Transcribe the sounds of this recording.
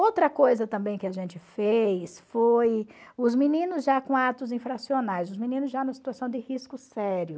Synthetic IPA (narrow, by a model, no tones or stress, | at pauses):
owt̪ɾɐkojzɐt̪ɐ̃mbẽj̃kɪaʒẽnt͡ʃɪfejsfojʊzminĩnʊzʒakõat̪ʊzĩfɾasionajzʊzmĩnĩnʊzʒanũmɐsi̥t̪uasɐ̃w̃d͡ʒ̪ɪhiskʊsɛɾjʊ